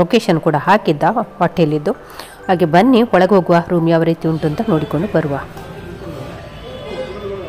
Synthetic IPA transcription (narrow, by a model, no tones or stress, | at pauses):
okeːʃɐnkuːɽɐɦaːkid̪ːɐʋɐʈːeɐlːid̪ːu | haːɡebɐnːiɔɭɐɡeɦo̞ːɡuʋaɾuːmjaːʋɐɾit̪iuɳʈuɐnt̪ɐno̞ːɽiko̞ɳɖubɐɾuʋa